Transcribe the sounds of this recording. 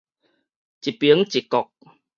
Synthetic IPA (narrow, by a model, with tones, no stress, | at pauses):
t͡ɕi˨˩pi˨˦ə˦ŋt͡ɕi˨˩kɔ˨k̚